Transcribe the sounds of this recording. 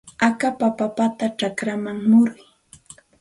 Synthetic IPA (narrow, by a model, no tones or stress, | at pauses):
akapapapat̪aʈ͡ʂakɾamaŋmʊɾʊj